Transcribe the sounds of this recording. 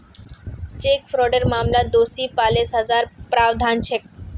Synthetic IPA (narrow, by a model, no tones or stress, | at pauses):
t͡ɕekfɾɔɖəɾmamlad̪osipalesɦəd͡zaɾpɾaʋd̪ʱant͡ɕʰek̚